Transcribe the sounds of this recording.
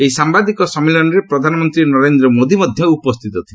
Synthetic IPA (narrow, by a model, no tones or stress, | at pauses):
eisambad̪ikɔsɔmilɔnɔɾepɾɔd̪ʱanɔmɔnt̪ɾinɔɾend̪ɾɔmod̪imɔd̪ʱjɔupɔst̪ʰit̪ɔt̪ʰile